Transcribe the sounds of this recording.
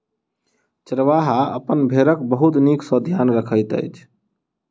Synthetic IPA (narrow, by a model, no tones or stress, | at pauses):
t͡ʃɾəʋaɦaə̰pənbʱeɾəkbəɦut̪niksɔ̃d̪ʱjanɾəkʰəɪt̪ə̰jt͡ʃʰ